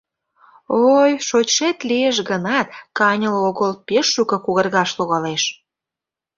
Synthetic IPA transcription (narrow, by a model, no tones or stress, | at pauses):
ojʃot͡ɕʃet̪lieʃ̬ɣənɑt̪kɑnʲəloɣəlpeʃːukɤ̆kuɣərɣɑʃloɣɑleʃ